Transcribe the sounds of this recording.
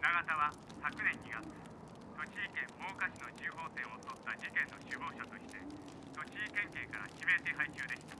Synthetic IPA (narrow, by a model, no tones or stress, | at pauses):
naɡat̪aβa | sakɯ̟nẽ̞ɲ̟ːiɡat͡sɨ̥ | so̞t͡ɕiːkẽ̞mmo̞ːkaɕino̞t͡ɕɨːɦo̞ːt̪ẽ̞ɰ̃ot̪o̞t̪ːad͡ʑikẽ̞nːo̞ɕɨbo̞ːɕat̪o̞ɕi̥t̪e̞ | t̪o̞t͡ɕiːkẽ̞ŋke̞ːkaɾa̰kʲime̞t̪e̞ɦait͡ɕɨːd̪e̞kʲi̥t̪ḁ